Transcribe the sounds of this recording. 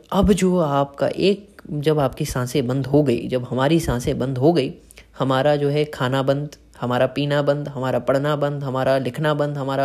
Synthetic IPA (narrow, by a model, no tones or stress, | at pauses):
ɐbd͡ʒoːaːpka̰ʔeːk̚d͡ʒɐbaːpkisãːsẽbɐ̃nd̪ɦoɡɐḭːd͡ʒɐbɦɐmaːɾisãːsẽbɐ̃nd̪ɦoɡɐi | hɐmaːɾad͡ʒoːɦɛkʰaːnabɐ̃nd̪ | hɐmaːɾapiːnabɐ̃nd̪ɦɐmaːɾapɐɽ̤nabɐ̃nd̪ɦɐmaːɾalɪkʰnabɐ̃nd̪ɦɐmaːɾa